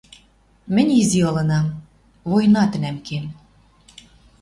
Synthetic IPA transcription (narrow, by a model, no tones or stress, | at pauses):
mɘ̆nʲiziɤlɤ̆nɑm | vojnɑt̪ɘ̆næmkem